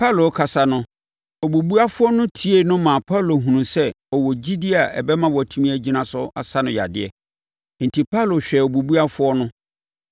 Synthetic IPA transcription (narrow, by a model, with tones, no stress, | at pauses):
pʰa˦˨lo˨˦kʰa˨sa˦nʊ̃˦ | o˨bu˨bu˦a˦fʊ˦ɔ˦nʊ̃˦tʰi˨˦e˦nʊ̃˦mã˨pʰa˦˨lo˨ɦũ˨nũ˨sɛ˦ | ɔ˨wɔ˨d͡ʑi˦di˦a˨ʔɛ̰˨bɛ˦mã˦wɔ˨tʰũ˦mĩ˦æ˦d͡ʑi˦nã˦sʊ˦a˨sa˦nʊ̃˨ja̰˨dɪ˨ɛ̰˨ | n̩˨tʰi˨pʰa˦lo˨ɕᶣɛ˨o˨bu˨bu˦a˦fʊ˦ɔ˦nʊ̃˦